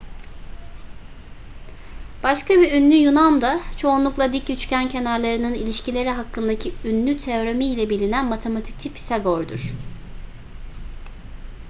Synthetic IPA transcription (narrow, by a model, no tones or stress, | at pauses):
b̥aʃkʰabiynlʲyjunand̪at͡ʃʰo̞unlˠuklˠad̪icjyt͡ʃcæncʰe̞naɾlˠaɾɯnɯnilʲiʃcilʲe̞ɾiɦakːɯnd̪acʰiynːʲyt̪ʰeo̞ɾamiːlʲɛbilʲinænmat̪ʰe̞mat̪ʰi̥c̚t͡ʃʰipʰi̥saɡoɾd̪ṵɾ̥